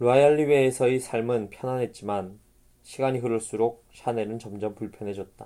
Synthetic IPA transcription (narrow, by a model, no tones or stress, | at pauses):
ɾuajaʎːibeːsʰʌisʰaɭmɯnpʰjʌnanɦe̞t̚t͡ɕ͈iman | ɕʰiɡaɲikɯɾɯɭs͈uɾok̚sʰane̞nɯnt͡ɕʌmd͡ʑʌmpuɭpʰjʌnɦe̞d͡ʑʌt̚t͈a